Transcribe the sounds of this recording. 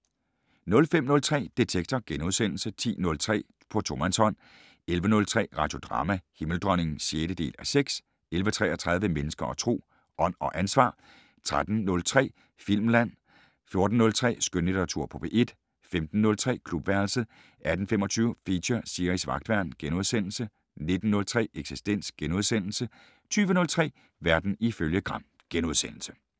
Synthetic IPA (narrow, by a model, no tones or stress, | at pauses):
nɔ̽lfem̰nɔ̽lt͡sʰʁɛ̰ːd̥e̝t͡sʰeɡ̥̚t͡sʰɒɡ̥enuð̞ˠsen̰l̩sət͡sʰḭːnɔ̽lt͡sʰʁɛ̰ː | pʰɒ̽t͡sʰo̝mænsɒ̽n̰ | elʋənɔ̽lt͡sʰʁɛ̰ːʁɑ̈d̥jo̝d̥ʁɑ̰̈ːmæhiml̩d̥ʁœne̝ŋ̩sjeːɾ̥əd̥e̝̰ːlæseɡ̥s | elʋət͡sʰʁɛ̰ːæt͡sʰʁɑ̈ð̞ˠʋəmenəsɡ̥ɐʔɒ̽t͡sʰʁo̝̰ː | ʔɒ̽n̰ɒ̽ʔænsʋɑ̰̈ː | t͡sʰʁad̥n̩nɔ̽lt͡sʰʁɛ̰ː | fil̰mlæn̰ | fjo̝ɐd̥n̩ːɔ̽lt͡sʰʁɛ̰ːsɡ̥ønlid̥ɐʁɑ̈t͡sʰuɐ̰pʰɒ̽b̥ʰeʔe̝d̥ | femd̥n̩ːɔ̽lt͡sʰʁɛ̰ːkʰlub̥ʋæɐlsə | ʔæd̥n̩fem̰ɒ̽t͡sʰyːʊfiɕɐsiɐʁisʋɑ̈ɡ̥d̥ʋæɐnɡ̥enoð̞ˠsen̰l̩sə | ne̝d̥n̩ːɔ̽lt͡sʰʁɛ̰ːeɡ̥sisd̥en̰sɡ̥enuðˠsen̰l̩sə | t͡sʰyːʋənɔ̽lt͡sʰʁɛ̰ː | ʋæɐd̥n̩iføljəɡ̥ʁɑ̈m̰ | ɡ̥enuðˠsen̰l̩sə